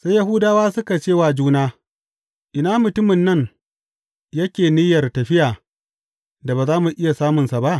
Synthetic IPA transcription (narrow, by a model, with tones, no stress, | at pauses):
sa˦ja˦hu˦daː˦waː˦sʊ˦ka˨t͡ʃeː˦˨waː˨d͡ʒuː˦naː˦ | ʔɪ˨naː˦mʊ˨tʊ˦mɪ˨nːɐ˦ŋ | jɐ˦kʲeː˨nɪ˦jɐ˨rtɐ˨ɸɪ˦jaː˨ | da˨baː˨zaː˦mu˨ʔɪ˦ja˨saː˦mʊ˨nsa˨ba˦ʔ